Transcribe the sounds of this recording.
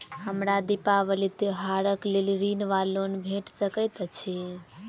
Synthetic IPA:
həmɾad̪ipaβəlit̪oɦaɾəkleliɾinʋalonbʱeʈsəkəjt̪t͡ʃʰi

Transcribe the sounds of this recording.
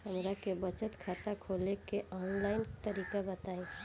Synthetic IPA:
ɦɐmɾakebət͡ʃət̪kʰaːt̪akʰoːlekeʔɔːnlaːɪnt̪əɾiːkabɐt̪aːẽː

